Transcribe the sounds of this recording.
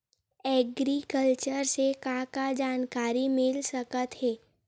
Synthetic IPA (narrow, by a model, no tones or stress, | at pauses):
ɛːɡɾikəlt͡ʃəɾsekãkad͡ʒaːnkaːɾimɪlsəkət̪ɦɛː